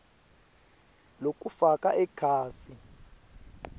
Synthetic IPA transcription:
lok̬ʼufakʼaʔɛkʰaːsi

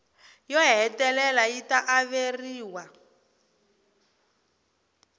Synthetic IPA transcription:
jɔɦɛtɛlɛlajitaʔaβeriːwa

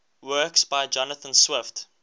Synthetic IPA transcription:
wɜːˑksb̥aɪd͡ʒɔnəθə̃nswɪft

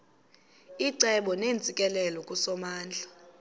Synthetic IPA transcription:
iǀɛɓɔneːnd͡zʱʼikʼɛlɛlɔkʼusɔmaːnd͡ɮʱa

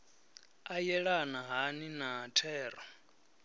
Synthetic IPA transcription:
ajɛɺanaɦaninaɦatʰɛːrɔ

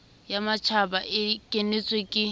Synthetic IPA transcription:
jamat͡ʃʰabaʔɪkʼenet͡sʼwekʼɪ

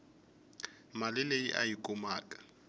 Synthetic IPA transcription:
malɪleḭʔa̰jikʼʊmaːkʼḁ

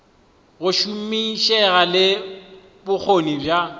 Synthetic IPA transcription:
ɣʊʃum̩miʃɛɣalɪ | bʊk͡xʰonibja

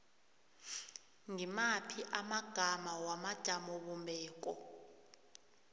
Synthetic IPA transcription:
ŋimapʰiʔamaɡ̥ʱamawamad̥ʒ̥ʱamɔɓɔmbʱɛːk̬ʼɔ

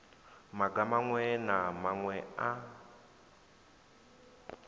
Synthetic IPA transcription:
maɡamaŋwɛnamaŋwɛa

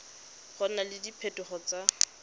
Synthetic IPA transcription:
χɔnalɪdipʰɛtʊχɔt͡sa

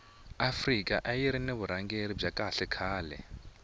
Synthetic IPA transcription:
afrikʼa̰ʔajiɾineβuɾaŋɡeɾib͡ʐakʼaɬɛkʰaːlɛ̰

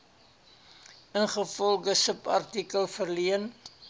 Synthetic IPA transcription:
ənχəfɔlˠɡəsəpɐ̰rtikəlˠfərliən

